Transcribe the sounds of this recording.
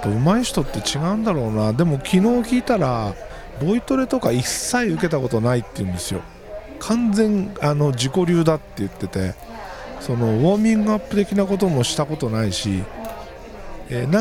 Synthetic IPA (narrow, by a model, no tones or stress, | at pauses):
t̪omaiɕi̥t̪o̞t̪ːe̞t͡ɕiɡaɯ̟̃nd̪aɾo̞ːnad̪e̞mo̞kʲino̞ːkʲiːt̪aɾa | bo̞it̪o̞ɾe̞t̪o̞kaisːaiɯ̟ke̞t̪ako̞t̪o̞nait̪ːe̞jɯ̟̃nd̪e̞sɨjo̞̰ | kʰãnd͡zẽ̞ŋano̞d͡ʑiko̞ɾʲɨːd̪at̪ːe̞jɯ̟t̪ːe̞t̪e̞̰ | so̞no̞βo̞ːmʲĩŋɡɯapːɯ̟t̪e̞kʲinako̞t̪o̞mo̞ɕi̥t̪ako̞t̪o̞naiɕḭ | eːna